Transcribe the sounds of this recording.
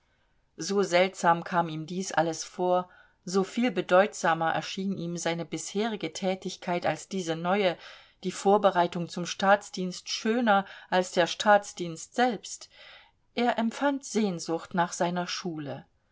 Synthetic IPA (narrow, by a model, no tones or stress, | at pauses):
zoːzɛltz̥aːmkʰaːmiːmdiːsʔa̰ləsfoːɐ | zoːfiːlbədɔʏtz̥aːmɐʔɛ̰ɐʃiːniːmzaɪnəbɪsheːʁɪɡətʰɛːtɪçkʰaɪtalsd̥iːzənɔʏə | d̥iːfoːɐbəʁaɪtʊŋt͡sʊmʃtaːt͡sd̥iːnstʃøːnɐʔalsd̥eːɐʃtʰaːt͡sd̥iːnstz̥ɛlpst | ʔeːɐʔɛmfantz̥eːnzʊχtnaːχz̥aɪnɐʃuːlə